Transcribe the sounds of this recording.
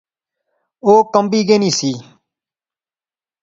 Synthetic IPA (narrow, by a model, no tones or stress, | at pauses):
oːkəmbiːɡeːniːsiː